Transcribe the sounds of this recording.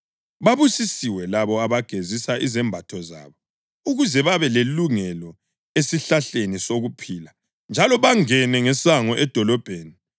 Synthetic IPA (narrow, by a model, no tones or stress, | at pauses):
βaβusisiwɛlaβɔaβaɡ̥ʱezisaʔizɛmbʱatʰɔza̰ːβɔ | uɣuzɛβaβɛleluŋɛlɔ | esiɬaɬenisoɣupʰiːla | nd͡ʒʱalɔβaŋɛnɛŋɛsaŋɔʔɛd̥ʱɔlɔb̥ʱeːni